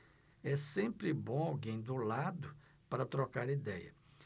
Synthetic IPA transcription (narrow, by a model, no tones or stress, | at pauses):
ɛsẽmpɾɪbõawɡẽj̃d̪ʊlad̪ʊ | paɾɐt̪ɾɔkaɾid̪ɛjɐ̰